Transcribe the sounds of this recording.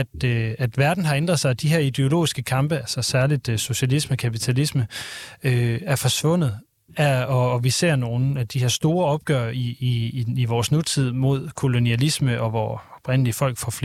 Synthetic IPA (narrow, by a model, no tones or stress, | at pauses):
d̥æd̥ʋæɐd̥n̩ɦɑ̈end̥ʁɐðˠsɑ̈ɪd̥iɦe̝ɐid̥e̝o̝lo̝̰ːisɡ̥əkʰɑ̈mb̥əælsɒ̽sæɐlid̥so̝ɕælisməkʰæpit͡sʰælisməøæɐfɒ̽sʋɔ̽n̰ð̩ˠ | æɒ̽ːʋise̝̰ɐ̰no̝ːn̩æd̥ihæɐ̰sd̥o̝ːɐɒ̽b̥̚ɡ̥œɐiː | ʋɒːsnut͡sʰið̰ˠmo̝ð̞̰ˠkʰo̝lo̝niælisməʔɒ̽ʋɒːɒ̽b̥ʁɛn̰əliəfɒ̽l̰ɡ̥fɒfl